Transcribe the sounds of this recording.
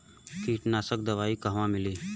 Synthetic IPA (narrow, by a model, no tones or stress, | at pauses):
kiːʈnaːsək̚d̪ɐʋaːikɐɦʋãmɪliː